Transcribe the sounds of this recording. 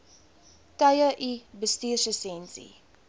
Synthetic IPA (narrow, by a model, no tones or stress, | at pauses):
tɐjəʔibəstiːrsəsɛnsḭ